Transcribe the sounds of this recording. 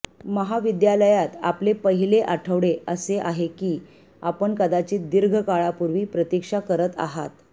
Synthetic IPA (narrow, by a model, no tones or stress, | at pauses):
məɦaʋid̪jaləjat̪a̰plepəɦileʔaʈʰəʋɽeəseʔaɦekiː | apəɳkəd̪at͡ɕiːd̪iɾɡʱəkaɭapuɾʋiːpɾət̪ikʂakəɾət̪a̰ɦat̪